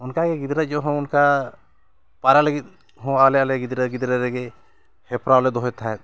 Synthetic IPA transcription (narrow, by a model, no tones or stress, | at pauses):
unkaɡɛɡid̪ɾət̪̚d͡ʒɔɦɔ̃unka | paɾaləɡit̪̚ | ɦɔ̃alɛalɛɡid̪ɾəɡid̪ɾɛɾɛɡɛ | hɛpɾawlɛd̪ɔɦɛt̪ʰaɛt̪̚